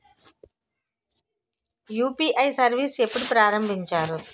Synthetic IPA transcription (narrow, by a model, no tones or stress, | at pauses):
juːpiːʔɐjsɐɾʋiːse̞pːuɽupɾaːɾɐmbʱiɲt͡ʃaːɾu